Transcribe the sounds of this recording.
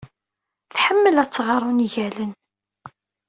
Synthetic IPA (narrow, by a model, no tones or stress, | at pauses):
θħəmːəlæt͡sːʁɑɾˤuniʝælən